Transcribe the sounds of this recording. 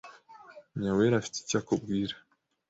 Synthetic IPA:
ɲaweɾafi̥ti̥cakub̚ɡiːɾḁ

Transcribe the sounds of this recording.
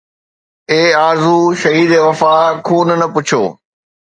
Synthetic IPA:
eːaːɾzuʃɐɦiːd̪eːʋɐfaːkʰuːnnɐpʊt͡ɕʰo̰ː

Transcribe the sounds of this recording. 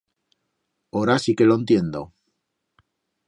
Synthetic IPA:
oɾasike̞loent̪je̞nd̪o

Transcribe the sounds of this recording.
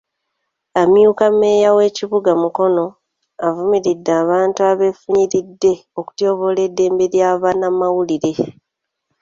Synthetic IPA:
amjuːkame̞ːjawe̞ːciβuɡamuko̞no̞ | avumiɾidːaːβaːntuaβe̞fuɲiɾidːe̞o̞ku̥tjo̞ːβo̞le̞dːe̞ːmbe̞ɾjaːβanamawuliɾe̞

